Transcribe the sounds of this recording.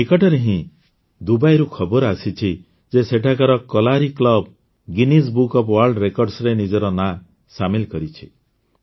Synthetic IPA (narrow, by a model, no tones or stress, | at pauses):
pikɔʈɔɾeɦĩ | d̪ubajɾukʰɔbɔɾasit͡ʃʰi | d͡ʒeseʈʰakaɾɔkɔlaɾiklɔb | ɡinis̬bukɔpwaɾɖɾekɔɾɖsɾenid͡ʒɔɾɔna | samilkɔɾit͡ʃʰi̥